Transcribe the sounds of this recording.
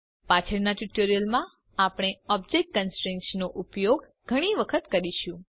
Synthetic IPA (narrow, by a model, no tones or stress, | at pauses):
pat͡ʃʰəɾnaʈuʈoɾijəlmã | apɽ̃eɔb̚d͡ʒekʈkənsʈɾẽŋkʃnoʔupjoɡ | ɡʱəɽ̃iʋəkʰət̪kəɾiʃũ